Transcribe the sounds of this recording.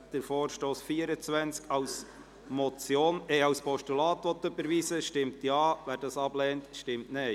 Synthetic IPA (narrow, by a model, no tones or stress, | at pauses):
d̥əɾfoːɾʃtoːsfiəɾət͡sʋænt͡skɑws | mɔt͡sjoːnɛɑwspʰɔʃtulɑːtʋɔt̪ːɵbəɾʋiːsəʃtɪmtjɑːvæːɾd̥ɑsɑb̥lɛːntʃtɪmtne